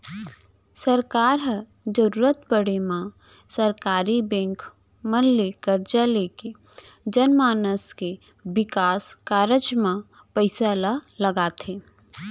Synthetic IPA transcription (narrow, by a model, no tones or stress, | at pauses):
səɾkaːɾɦə | d͡ʒəɾuːɾət̪pəɽemã | səɾkaːɾibɛ̃ːŋk | mənlekəɾd͡ʒaleːke | d͡ʒənmaːnəske | wɪkaːskaːɾəd͡ʒmã | pəɪsalaləɡaːt̪ʰeː